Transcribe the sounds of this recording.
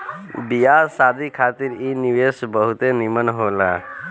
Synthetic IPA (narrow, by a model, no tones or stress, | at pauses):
bijasad̪ʱikʰat̪iɾiniʋesbəɦut̪enimənɦola